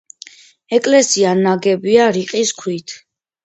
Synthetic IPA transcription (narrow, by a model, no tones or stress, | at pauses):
ɛkʼlɛsianaɡɛbiaɾiqʼiskʰwit̪ʰ